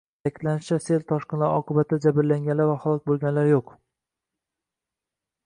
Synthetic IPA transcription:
akʲɪ̥d̪̥lanɪʃt͡ʃʰaselt̪ʰɒʃqɨnlaɾɒqʰɨbat̪ʰd͡ʒabɪɾlaŋɡʲanlaɾvaχalˠɒk̚ʲbolˠɡʲanlaɾjoq

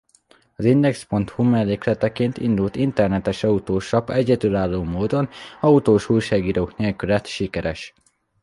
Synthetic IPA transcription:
ɒzind̪ɛkspo̞nt̪humɛlːeːklɛt̪ɛkeːnt̪ind̪ult̪int̪ɛrnɛt̪ɛʃɒut̪oːʃɒpɛɟɛd̪ylaːlːoːmoːd̪o̞nɒut̪oːʃujʃaːɡiːɾoːkneːlkylɛt̪ʃikɛɾɛʃ

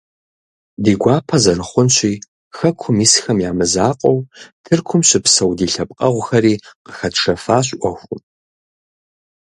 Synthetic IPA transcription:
diːɡʷaːpʰɐzɐɾɨχʷʊnɕʷʼiː | xɐkʷʰʊmiːsxɐmjaːmɨzaːqʼɐwtʰɨrkʷʰʊmɕɪpsɐwdiːɬɐp̚ʼqʼɐʁʷxɐɾiːqə̥xɐtʂɐfaːɕʔʷɔxʷʊm

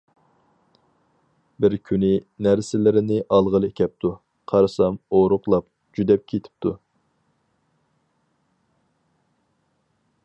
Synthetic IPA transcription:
bɪɾkʲʰynɪnæɾsɪlɪɾɪnɪʔɑlˠʁəlˠekʲʰɛp̚t̪ʰu | qʰɑɾɨsɑmoɾʊqlˠɑp̚ | d͡ʒyd̪ɛp̚kʲʰet̪ʰɪ̥p̚t̪ʰu

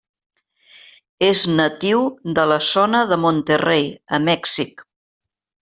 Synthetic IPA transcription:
eznət̪iwðələsonəðəmont̪ərejə̰mɛksik

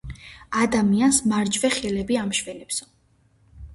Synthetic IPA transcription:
ad̪amiansmaɾd͡ʒvɛχɛlɛbiamʃvɛlɛpsɔ

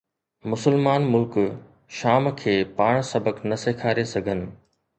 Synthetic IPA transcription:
mʊsəlmaːnmʊlk | ʃaːmkʰeːpaːɽ̃sɐbəknɐseːkʰaːɾesɐɡʱənɪ̆

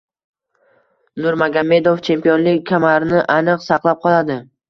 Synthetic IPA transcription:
nʊɾmaɡʲame̞d̪oft͡ʃʰe̞mpijonlɪkʲʰːamaɾnɪʔanɨqsɑqlˠap̚qʰɒlˠad̪ɪ

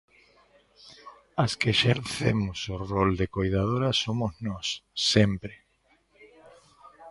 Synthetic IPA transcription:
askeʃeɾθemʊsorold̪ekojðað̞oɾasomʊznɔsːempɾe

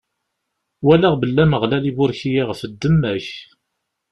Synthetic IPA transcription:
wælæʁbəlːæməʁlælibʊɾçijiʁəfəd̪ːəmːæç

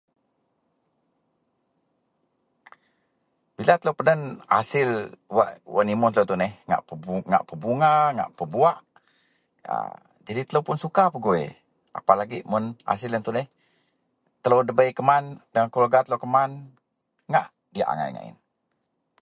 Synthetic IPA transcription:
b̥ilat̪ələwpənənhasɪlwaʔwaʔnimʊt̪ələwt̪unɛhŋa̰ʔəŋa̰ʔpəbuŋaŋa̰ʔpəbuaʔ | ə̰ | d͡ʒadit̪ələwpʊnsukapəɡoḛ | ʔa̰palaɡiʔmʊnha̰s̬ɪlənt̪unɛh | t̪ələwdəbəjkəmant̪əŋakolɡat̪əlowkəman | ŋa̰ʔ | diaʔa̰ŋa̰jŋa̰ʔɪ̰n

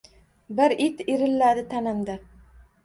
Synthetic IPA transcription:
bɪɾit̪iɾɪlːad̪ɪt̪ʰanɪmd̪a

